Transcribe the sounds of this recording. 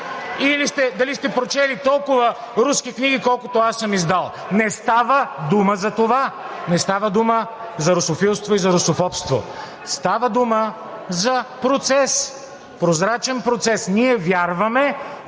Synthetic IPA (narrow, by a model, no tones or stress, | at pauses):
ilist̪ɛd̪ɐlist̪ɛpɾot͡ʃɛlit̪ɔlˠkʊvə | ɾuskikniɡikɔlˠkʊt̪oasːəmizd̪alˠ | nɛst̪avəd̪uməzɐt̪ova | nɛst̪avəd̪umə | zɐɾosofilˠst̪voizɐɾosofɔpst̪vo̰ | st̪avəd̪umə | zɐpɾot̪sɛs | pɾozɾat͡ʃɛnpɾot̪sɛsnʲiɛvʲjaɾvɐmɛ